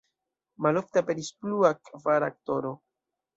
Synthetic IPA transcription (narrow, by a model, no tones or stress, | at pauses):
malo̞fteape̞ɾispluakvaɾak̚to̞ɾo̞